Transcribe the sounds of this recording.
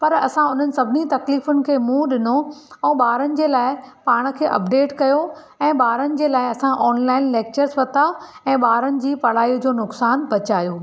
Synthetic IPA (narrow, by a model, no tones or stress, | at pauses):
pɐɾɐsãʊn̤ənɪ̆sɐbʱɪnit̪ɐkliːfʊnɪ̆kʰeːmũːɗɪnoɛ̃ːɓaːɾənɪ̆d͡ʑeːlaːɪpaːɽ̃ə̆kʰeːʔɐ̰pɖeːʈkɐjo | ɛ̃ːɓaːɾənɪ̆d͡ʑeːlaːɪɐsãʔɔːnlaːɪnleːk̚t͡ɕəɾzʋɐt̪aɛ̃ːɓaːɾənɪ̆d͡ʑiːpɐɽ̤aːid͡ʑoːnʊksaːnbɐt͡ɕaːjoː